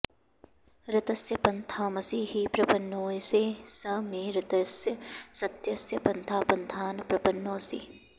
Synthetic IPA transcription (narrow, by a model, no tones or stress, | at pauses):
ɾɪt̪ɐsjɐpɐnt̪ʰaːmɐsiːɦipɾɐpɐnːoːjseːsɐmẽːɾɪt̪ɐsjɐsɐt̪jɐsjɐpɐnt̪ʰaːpɐnt̪ʰaːnɐpɾɐpɐnːoːsḭː